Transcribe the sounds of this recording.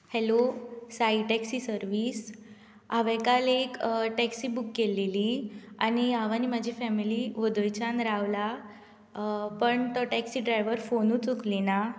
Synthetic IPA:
helosaiʈɛksisəɾʋiːs | aʋɛ̃kalekʈɛksiːbukːeleliañiaʋaniːmad͡ʑʱifɛmiliʋəd̪ojt͡ɕanɾaʋla | pəɳt̪ɔʈɛksiːɖɾajʋəɾfonut͡suklina

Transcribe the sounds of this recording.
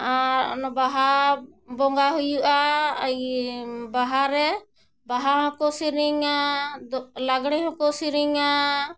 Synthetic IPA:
aɾɔ̰nɔbaɦabɔŋɡaɦujuʔaːjbaɦaɾɛ | baɦaɦɔ̃kɔsiɾiŋad̪ɔlaɡɽ̃ɛɦɔ̃kɔsiɾiŋa

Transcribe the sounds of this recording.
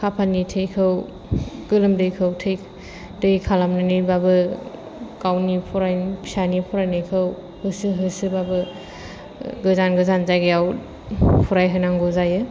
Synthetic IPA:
kʰapʰanitʰejkʰɯw | ɡ̥ɯlɯmdɯjkʰɯwtʰej | dɯjkʰalamnɯnɯjbabɯ | kawnipʰuɾajpʰi̥sanipʰuɾajnɯjkʰɯw | hɯsɯɦɯsɯbabɯ | ɡɯzanɡɯzanzajɡɯjaw | pʰuɾajɦɯnaŋɡɔzajɯ

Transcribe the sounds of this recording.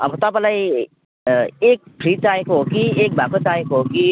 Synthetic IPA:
ʌbʌt̪ʌpãlaj | ek̚pʰɾit͡saekoɦokiek̚bʱakot͡saekoɦoki

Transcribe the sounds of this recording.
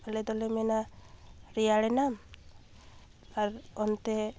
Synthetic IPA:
alɛd̪ɔlɛmɛna | ɾijaɽɛnam | aɾɔnt̪ɛ

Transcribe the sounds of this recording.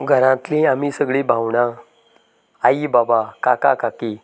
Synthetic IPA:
ɡʱəɾãt̪lĩamisəɡɭibʱawɳã | aibabakaka̰kaki

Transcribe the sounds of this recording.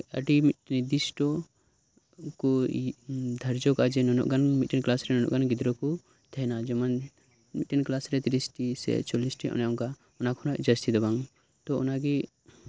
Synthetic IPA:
əʈiminid̪isʈɔ | kɔ | d̪ʱəɾd͡ʒɔkad͡ʒɛnɔnɔ̰ʔɡanmiʈinklasɾɛnɔnɔ̰ʔɡanɡid̪ɾɔku | t̪ʰɛnad͡ʒɔman | miʈinklasɾɛt̪iɾisʈisɛ̰t͡ʃɔlisʈiʔɔ̰nɛɔŋka | ɔnakʰɔnɔʔd͡ʒəst̪ʰid̪ɛbaŋ | t̪ɔɔnaɡi

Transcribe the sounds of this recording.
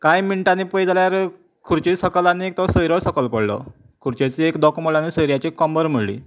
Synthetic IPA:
kajmiɳʈanipəjd͡zaljaɾ | kʰuɾt͡ɕisəkəlaniek̚t̪ɔsəjɾɔsəkəlpəɽlɔ̰ | kʰuɾt͡ɕat͡siekd̪ɔkməlanisəjɾijat͡ɕikːɔmbəɾm̤əɽlḭː

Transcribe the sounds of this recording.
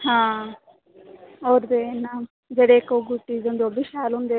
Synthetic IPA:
hãː | oɾd̪enam | d͡ʒɐɽekoɡuʈːizond̪obiʃaːlund̪e

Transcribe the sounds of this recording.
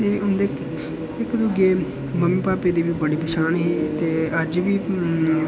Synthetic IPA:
eːʊnd̪eː | ɪkd̪ʊɡeː | məmiːpaːpeːd̪iːʋiːbəɽiːbəʃaːnɦiːt̪eːəd͡ʒʋiː

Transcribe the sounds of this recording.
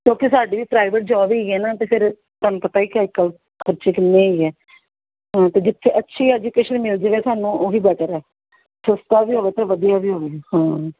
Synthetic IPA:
kjõːkɪsaːɖiːʋiːpɾaːɪʋəʈ̚d͡ʒɔːʋiːiɛːnaːt̪eːpʰɪɾ | t̪aːnũːpət̪aːiːkaːɪkːəl | kʰəɾt͡ʃeːkɪnːẽːiːɛː | ɦãːt̪eːd͡ʒɪt̪ʰːeʔətːʃʰiːɛːd͡ʒuːkeːʃənmɪld͡ʒeʋeːt̪aːnũːʔoːɦiːbɛːʈəɾɛː | səst̪aːbiːɦoːʋeːt̪ãːʋəd̪ijaːbiːɦoːʋeːhãː

